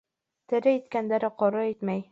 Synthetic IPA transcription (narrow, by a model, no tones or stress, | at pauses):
t̪ɘ̆ɾɘit̪kænd̪æɾɘqɒɾɑit̪mæj